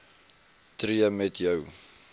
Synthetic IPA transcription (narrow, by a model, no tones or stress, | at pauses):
triəmɛtʰjəw